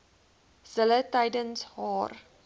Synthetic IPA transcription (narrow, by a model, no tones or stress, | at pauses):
z̥ələtɐjdənshɑːr